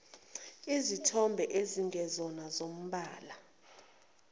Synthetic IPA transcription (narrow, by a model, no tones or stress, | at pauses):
izitʰɔmbʱɛʔeziŋɡʱɛzɔnazom̩ɓaːla